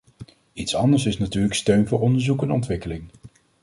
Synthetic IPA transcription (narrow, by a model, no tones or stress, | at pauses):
itsɑndəɹsɪsnatyːləkstøɥnvʊːɹɔndəɹzukɛnɔntʋɪkəlɪŋ